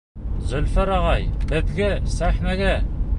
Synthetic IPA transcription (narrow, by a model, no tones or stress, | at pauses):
zɵ̆lfæɾɑʁɑjbɘ̆ðɡɘsæχnæɡæ